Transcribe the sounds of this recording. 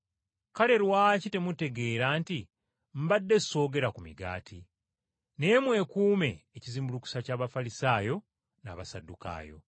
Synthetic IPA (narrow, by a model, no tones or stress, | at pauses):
kale̞ɾwaːcite̞mute̞ɡe̞ːɾaːnti | m̩badːe̞so̞ːɡe̞ɾakumḭɡa̰ːtʰi | ne̞mwe̞kuːme̞ːciziːmbuluku̥sacaːβafalisaːjo̞ | na̰ːβasadːuka̰ːjo̞̰